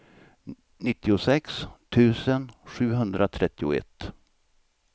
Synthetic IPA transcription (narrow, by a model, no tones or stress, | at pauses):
nɪt̪ːɪʊsɛkst̪ʰʉ̟ːsənɧʉ̟ːɦɵnd̪ɾat̪ʰɾɛt̪ːɪʊ̰ɛ̰t̪ː